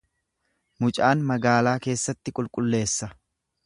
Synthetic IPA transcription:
mʊt͡ʃʼaːnmɐɡaːlaːke̞ːsːɐt̪ːɪkʼʊlkʼʊlːe̞ːsːɐ

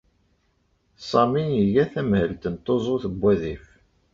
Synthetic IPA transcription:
sˤɑminiʝæθæmhəlt̪ənt̪ˤːozˤoθəbʷːæðif

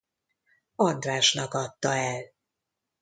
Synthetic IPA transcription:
ɒnd̪raːʃnɒkɒt̪ːɒɛl

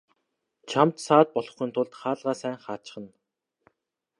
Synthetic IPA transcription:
t͡ɕʰamt̪saːt̪̚pɔɮɞ̆χiːnt̪ʰʊɮt̪χaːɮʁaːsæːŋχaːt͡ɕɪ̥̆χə̆n

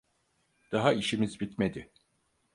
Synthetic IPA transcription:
d̪̥aɦaiʃimizbit̪me̞d̪ɪ

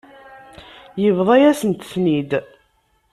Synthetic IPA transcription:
jəvðˤɑjæsənt̪θnid̪

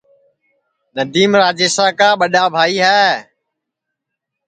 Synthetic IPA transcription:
nəd̪iːmɾaːd͡ʒeːsaːkaːɓəɗaːbʱaːiːɦɛː

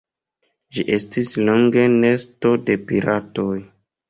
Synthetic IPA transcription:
ʒiʔe̞stisloŋɡe̞ne̞sto̞de̞piɾʔatoj

